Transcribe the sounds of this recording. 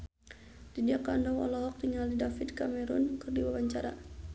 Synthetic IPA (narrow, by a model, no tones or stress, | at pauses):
didiakandɔŋɔ̰lɔɦɔk̚t̪iŋaldidafid̪kamɛɾunkɨrdiwawaɲt͡ʃaɾa̰